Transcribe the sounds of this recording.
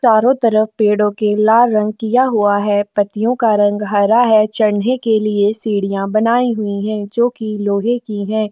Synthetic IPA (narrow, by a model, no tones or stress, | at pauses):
t͡ʃaːɾõt̪ɐɾəfpeːɽõkelaːɾɾɐ̃ŋɡ̚kijaɦʊaɦɛːpɐt̪ijõkaɾɐ̃ŋɡɦɐɾaɦɛt͡ʃɐɾnekeliesiːɽijãbɐnaːiɦʊiɦɛ̃ːd͡ʒoːkiloːɦekiɦɛ̃ː